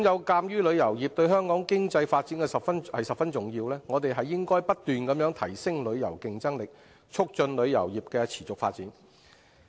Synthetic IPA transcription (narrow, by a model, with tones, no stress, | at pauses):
ŋjɐ˨˧wkaː˧mjyː˥lɵ˨˧ɥjɐ˨˩wjiː˨p̚t̪ɵ˧ɥhœː˥ŋkɔː˨˥ŋkɪ˥ŋt͡sɐ˧jfaː˧t̚t͡si˨˥nkɛː˧sɐ˨pfɐ˥nhɐ˨jsɐ˨p̚fɐ˥nt͡sʊ˨˩ŋjiː˧wlɛː˥ŋɔː˨˧t̪e˨jɦɐ˨jːɪ˥ŋkɔː˥jpɐ˥t̚t̪ːyː˨nkɐ˨˥mjœː˨˥ŋt̪ʰɐ˨˩jsɪ˥ŋlɵ˨˧ɥjɐ̰˨˩wkɪ˧ŋt͡sɐ˥ŋlɪ˨k̚ | t͡ʃʰʊ˥k̚t͡ʃɵ˧nlɵ˨˧ɥjɐ̰˨˩wjiː˨˩p̚kɛː˧t͡sʰi̥ː˨˩t͡sʊ˨k̚faː˧t̚t͡siː˨˥n